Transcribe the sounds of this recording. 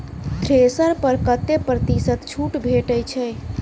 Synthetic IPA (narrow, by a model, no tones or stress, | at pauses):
t̪ʰɾesəɾpəɾkət̪ːepɾət̪isət̪t͡ʃʰuʈbʱeʈəjt͡ʃʰɛ